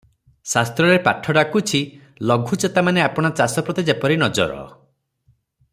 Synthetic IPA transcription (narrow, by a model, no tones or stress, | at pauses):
sast̪ɾɔɾepaʈʰɔɽakut͡ʃʰi | lɔɡʱut͡ʃet̪amaneapɔɽ̃at͡ʃasɔpɾɔt̪id͡ʒepɔɾinɔd͡ʒɔ̰ɾɔ̰